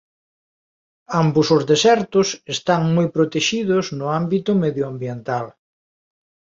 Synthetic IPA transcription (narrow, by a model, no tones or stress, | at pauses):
ambʊsʊzðesɛɾt̪ʊsest̪aŋmojpɾot̪eʃiðʊznʊambit̪ʊmeðjoambjent̪al